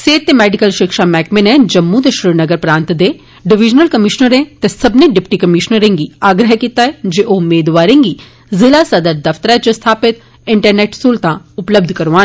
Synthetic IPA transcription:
seːt̪ːemɛːɖɪkəlʃɪkʃamɛːkmẽnɛ̃d͡ʒəmːũd̪eʃɾɪɾnəɡəɾpɾãːnt̪d̪e | ɖɪʋɪd͡ʒnəlkəmɪʃnəɾẽt̪esɐbnẽɖɪpʈikəmɪʃnəɾẽŋɡiaːɡɾəɦkiːt̪aɦɛd͡ʒeʔoʊmeːd̪ʋaːɾẽːŋɡi | zɪlasɐd̪əɾd̪ɐft̪əɾɛt͡ʃəst̪ʰaːpɪt̪ | ɪ̃ɳʈəɾneːʈsuːlt̪ãʊpləb̚d̪ʱkɐɾʋaː

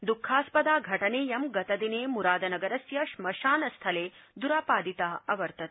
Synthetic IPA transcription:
d̪ukʰːaːspɐd̪aːɡʱɐʈɐneːjɐmɡɐt̪ɐd̪ineːmuɾaːd̪ɐnɐɡɐɾɐsjɐʃmɐʃaːnɐst̪ʰɐleːd̪uɾaːpaːd̪it̪aːɐʋɐɾt̪ɐt̪

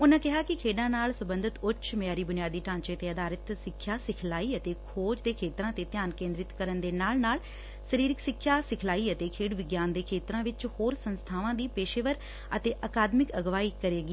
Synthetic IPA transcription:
ʊnãkɪɦaːkɪkʰeːɖãːnaːlsəbə̃nd̪ʱɪt̪ʊʃʰmɪjaːɾiːbʊnijaːd̪iːʈãːɲt͡ʃeət̪eːəd̪aːɾət̪sɪkʰːjaːsɪkʰlaːiːət̪eːkʰoːd͡ʒd̪eːkʰeːt̪ɾãːt̪et̪ɪjaːnkẽːnd̪ɾɪt̪kəɾənd̪eːnaːlnaːl | səɾiːɾɪksɪkʰːjaːsɪkʰlaːiət̪eːkʰeːɖʋɪɡjaːnd̪eːkʰeːt̪ɾãːʋɪt͡ʃhoːɾsə̃nst̪ʰaːʋãːd̪iːpeːʃeʋəɾ | ət̪eːʔəkaːd̪mɪkəɡʋaːiːkəɾeːɡiː

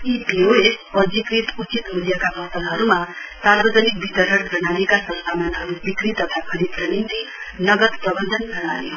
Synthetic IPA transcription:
ipioespʌd͡zikɾit̪ut͡ʃit̪muljakabʌt̪ʌlɦʌɾumasarbʌd͡zʌnik̚bit̪ʌɾɦʌɽd͡zʌɽanekasʌt̪amanɦʌɾubikɾit̪ʌt̪ʰakʰʌɾipɾʌnint̪i | nʌɡʌt̪prʌbʌnd̪ʱʌnɡʌɽajjo

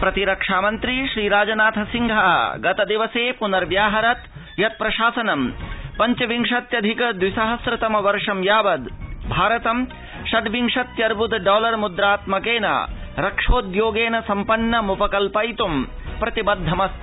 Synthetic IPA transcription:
pɾɐt̪iɾɐkʂaːmɐnt̪ɾiʃɾiːɾaːd͡ʒɐnaːt̪ʰɐsiŋɡʱɐɦɐ̰ɡɐt̪ɐd̪iʋɐseːpunɐɾʋjaːɦɐɾɐt̪ | jɐt̪̚pɾɐʃaːsɐnɐmpɐɲt͡ʃɐʋiŋʂɐt̪jɐd̪ʱikɐd̪wisɐɦɐsɾɐt̪ɐmɐʋɐɾʂɐmjaːʋɐd̪bʱaːɾɐt̪ɐm | ʃɐɖ̪ʋiŋʂɐt̪jɐɾbud̪ɖaːlɐɾmud̪ɾaːt̪mɐkeːnɐ̰ɾɐkʂoːd̪joːɡeːnɐsɐmpɐnːɐmupɐkɐlpɐjt̪umpɾɐt̪ibɐd̪ʱːɐmɐst̪

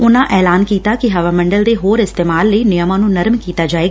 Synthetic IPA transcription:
ʊnãːʔɛːlaːnkiːt̪aːkɪɦəʋaːmə̃ɳɖəld̪eːɦoːɾɪst̪eːmaːlːəiːnɪjəmãːnũːnəɾmkiːt̪aːd͡ʒaːeːɡ

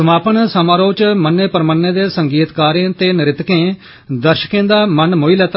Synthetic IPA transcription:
əmaːpənsəmaːɾoːt͡ʃmənːeːpəɾmənːẽːd̪eːsəŋɡiːt̪kaːɾẽːt̪eːnɪɾɪt̪kẽː | d̪əɾʃə̥kẽːd̪aːmənmoiːlɛːt̪

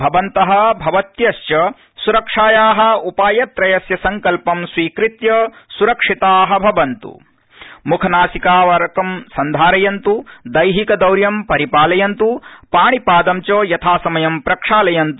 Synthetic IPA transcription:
bʱɐʋɐnt̪ɐɦɐ̆bʱɐʋɐt̪jɐʃt͡ʃɐ | suɾɐkʂaːjaːɦɐ̆upaːjɐt̪ɾɐjɐsjɐsɐŋkɐlpɐmsʋiːkɾit̪jɐsuɾɐkʂit̪aːɦɐ̆bʱɐʋɐnt̪ṵ | mukʰɐnaːsikaːʋɐɾɐkɐmsɐnd̪ʱaːɾɐjɐnt̪ud̪ɐjɦikɐd̪ɐwɾjɐmpɐɾipaːlɐjɐnt̪upaːɳipaːd̪ɐmt͡ʃoːjɐt̪ʰaːsɐmɐjɐmpɾɐkʂaːlɐjɐnt̪u

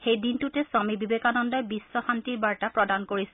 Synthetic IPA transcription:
xejdintutɛsɔmibibekanɔndɔjbisːɔxantiɹbaɹtapɹɔdankoɹis

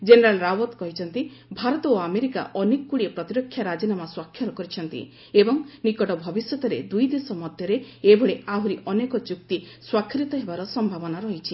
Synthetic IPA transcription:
d͡ʒeneɾalɾawɔt̪kɔɦit͡ʃʰɔnt̪ibʱaɾɔt̪ɔoameɾika̰ʔɔnekkuɽiepɾɔt̪iɾɔkʰːjaɾad͡ʒinamaswakʰːjɔɾɔkɔɾit͡ʃʰɔnt̪ḭ | ebɔŋnikɔʈɔbʱɔbisjɔt̪ɔɾed̪ujd̪esɔmɔd̪ʱjɔɾeebʱɔɭeaɦuɾiʔɔnekɔt͡ʃuk̚t̪i | swakʰːɾit̪ɔɦebaɾɔsɔmbʱabɔnaɾɔɦit͡ʃʰi

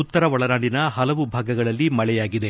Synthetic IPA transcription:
ut̪ːɐɾɐʋɔɭɐɾaːɳɖinɐɦɐlɐʋubʱaːɡɐɡɐɭɐlːimɐɭɛjaːɡid̪e̞

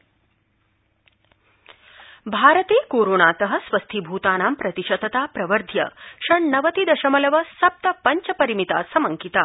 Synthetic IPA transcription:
bʱaːɾɐt̪eːkoːɾoːnaːt̪ɐɦɐsʋɐst̪ʰibʱuːt̪aːnaːmpɾɐt̪iʃɐd̪ɐt̪aːpɾɐʋɐɾd̪ʱjɐ̰ʂɐɳnɐʋɐt̪id̪ɐʃɐmɐlɐʋɐsɐp̚t̪ɐpɐɲt͡ʃɐpɐɾimit̪a̰ːsɐmɐŋkit̪aː

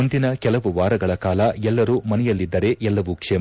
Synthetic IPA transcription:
und̪inɐkɛlɐʋuʋaːɾɐɡɐɭɐkaːlɐɛlːɐɾuːmɐnɛjɐlːid̪ːɐɾe̞ʔɛlːɐʋukʂɛː

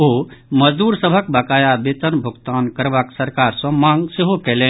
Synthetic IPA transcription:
oməd͡ʒd̪uɾsəbʱəkbəkajabet̪ənbʱuɡt̪ankəɾbaksəɾkaɾsə̃mãŋɡseɦokelen

